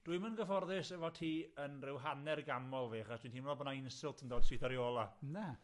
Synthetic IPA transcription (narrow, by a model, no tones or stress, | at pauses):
d̥ʊɨmənɡəvɔrðɪsɛvɔtʰiːənrɪwɦanɛrɡamɔlˠviːχasd̥wintiːnmnɔbənaɪnsɪlˠtʰəndoːd̥siθɔɾjoːlˠana